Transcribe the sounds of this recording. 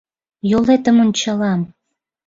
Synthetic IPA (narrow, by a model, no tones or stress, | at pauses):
jolet̪ə̆mont͡ɕɑlɑm